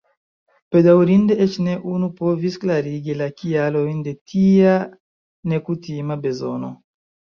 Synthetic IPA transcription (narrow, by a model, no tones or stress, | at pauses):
ped̪awɾind̪eet͡ʃneʔunupɔvisklaɾiɡilakialoind̪et̪ia | nekut̪imabezo̰no